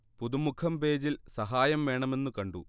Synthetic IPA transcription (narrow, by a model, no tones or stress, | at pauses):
puðumukʰɐmpe̞ːd͡ʑilsɐɦaːjɐmʋe̞ːɳɐme̞nːukɐɳɖu